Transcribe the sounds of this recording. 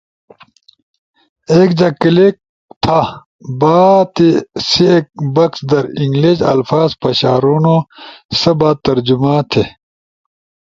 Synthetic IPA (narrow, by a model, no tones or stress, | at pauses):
eːkd͡ʑɐkilik̚ | t̪ʰa | baːt̪isiek̚bɐksd̪ɐɾiŋɡliɕɐ̰lfaːzpɐɕaːɾuːnosɐbaːt̪̚ːɐɾd͡ʑumaːt̪ʰe